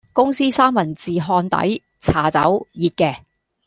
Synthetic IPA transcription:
kʊ˥ŋsiː˥saː˥mɐ˨˩nt͡siː˨ɦɔː˧nt̪ɐ̰˨˥j | t͡sʰaː˨˩t͡sɐ̰˨˥wjiː˨˧t̚kɛː˧

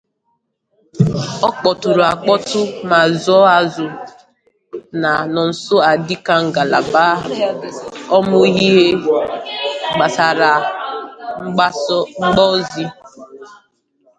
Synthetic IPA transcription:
ɔ˦k͡pɔ˨tʊ˨ɾu˨a˨k͡pɔ˦tʊ˦ma˨zɔ˦a˨zʊ˨ | na˨nɔ˨n̩˨so˦a˨di˦ka˦ŋ̩˨ɡa˨la˨baː˦ɦʊ˨ | ɔ˦mʊ˦ɦi˦ɦe˦ | ɡ͡ba˨sa˨ɾa˨˦ | ŋ͡m̩˦ɡ͡bɔ˦zi˦

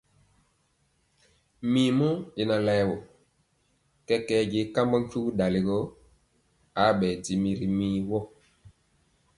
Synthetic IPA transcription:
mi˨mu˦e˨na˨la˨jwɔ˨ | kɛ˦kɛ˦ɟe˦ka˦mbɔ˦ŋ˦ku˦da˨le˨ɡo˦ | a˨˦ɓɛ˨di˨mi˨ɾi˨miː˦wɔ˦˨

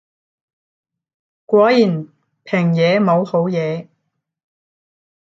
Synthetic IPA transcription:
kʷɔː˨˥jiː˨˩n | pʰɛː˨˩ŋjɛː˨˧mo˨˧who˨˥wjɛː˨˧

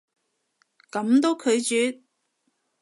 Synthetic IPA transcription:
kɐ˨˥mt̪o˥wkʰɵ˨˧ɥt͡ʃyː˨˥t̚

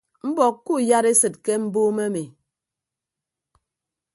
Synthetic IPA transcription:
m̩˦bɔ˨kːkːu˦˨ja˦ɾe˦sɨ˨t̚ke˦m̩˦boː˦me˦mi˨

